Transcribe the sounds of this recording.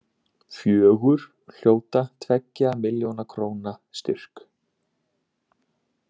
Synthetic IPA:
fjœːɣʏɾ̥ | l̥joːwt̪at̪ʰvɛcːamɪljownakʰɾoːwnast̪ʏr̥k

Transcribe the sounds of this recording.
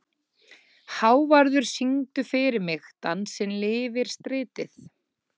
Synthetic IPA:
haːwvaɾðʏɾ̥siŋt̪ʏfɪɾɪɾmɪxt̪anːsɛmlɪːvɪɾ̥st̪ɾɪːt̪ɪθ

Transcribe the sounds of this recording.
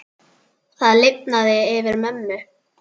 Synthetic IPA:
θaðlɪjp̚naðɪɪvɪɾmœnːʏ

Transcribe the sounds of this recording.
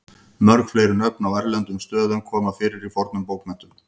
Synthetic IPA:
mœɾkflejɾɪnœpnawɛɾlɛnt̪ʏmst̪œːðʏmkʰɔːmafɪːɾɪɾifɔɾt̪nʏmpowk̪mɛn̥t̪ʏm

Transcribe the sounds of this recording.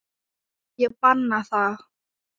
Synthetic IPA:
jəpanːaθa

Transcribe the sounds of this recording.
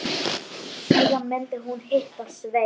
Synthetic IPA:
sɛːðanmɛnt̪ɪɦunhɪht̪asve

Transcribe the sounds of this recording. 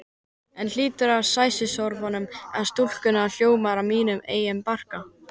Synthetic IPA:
ɛnl̥iːt̪ʏɾaɾsaːjsɪsɔwɾvɔnʏmɛast̪ul̥kʏnaːl̥joːwmaɾamiːnʏmḛːjɪmpar̥ka

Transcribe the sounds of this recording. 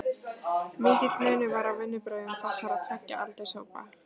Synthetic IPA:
mɪːcɪt̪mœɥnʏvaɾawvɪnːʏpɾœːɥðʏmθɛsaɾaðt̪ʰvɛhcːa̰ʔalt̪ejsoːwpa̰

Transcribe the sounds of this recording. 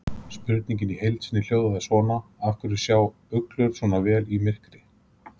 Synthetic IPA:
spʏɾt̪nĩɲcɪnihejlt̪sɪnːɪl̥joːwðaðasvɔːnaafkʏɾɪ̥sjaːw | œklʏɾ̥svɔːnavɛːlimɪr̥kɾɪ

